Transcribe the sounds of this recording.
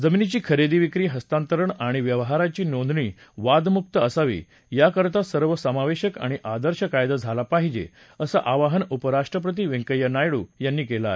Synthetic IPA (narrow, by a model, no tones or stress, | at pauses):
d͡zəminit͡ɕiːkʰəɾed̪iːʋikɾiːɦəst̪ant̪əɾəɳaɽ̃iʋjəʋɦaɾat͡ɕiːnond̪ɳiː | ʋad̪muk̚t̪əəsaʋḭː | jakəɾt̪asəɾʋəsəmaʋeɕəka̰ɽ̃iʔad̪əɾɕəkajd̪ad͡zʱalapaɦid͡ʑḛ | əsə̰ʔaʋaɦənupəɾaʂʈɾəpɾət̪iːʋẽŋkəjənajɽuːjanːiːkelae